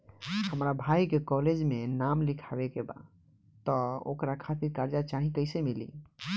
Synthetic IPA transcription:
həmɾabʱaikekɔled͡ʒmenamlikʰabekeba̰ | t̪ɔo̰kɾakʰat̪iɾkaɾd͡ʒat͡ʃaɦĩkəɪsemilḭ

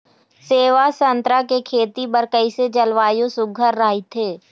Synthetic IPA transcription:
seːʋasə̃nt̪ɾakekʰeːt̪ibəɾkəised͡ʒɐlʋaːjosʊɡʱəɾːaːɦit̪ʰeː

